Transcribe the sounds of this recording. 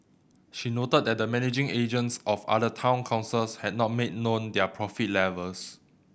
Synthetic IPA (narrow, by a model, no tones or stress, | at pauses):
ʃinotət̚dɛt̚dəmɛnid͡ʒɪ̃ŋed͡ʒə̃ntsɔfa̰dətʰãw̃nkʰãʊ̃nsəshɛt̚nɔt̚med̚nõndɛəpʰɹɔfit̚lɛvəls